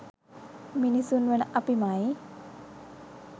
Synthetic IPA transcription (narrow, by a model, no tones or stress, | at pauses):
minisunwenaʔapimaj